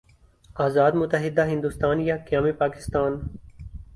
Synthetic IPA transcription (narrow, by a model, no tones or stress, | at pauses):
aːzaːd̪mʊt̪əɦɪd̪aɦɪ̃nd̪ʊst̪aːnjaːkjaːmipaːkɪ̥st̪aːn